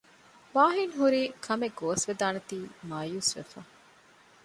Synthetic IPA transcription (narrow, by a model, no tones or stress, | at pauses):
ʋaːɦinɦuɾiːkʰɐmeɡoːsʋed̪aːnet̪iːmaːjuːsʋḛfɐ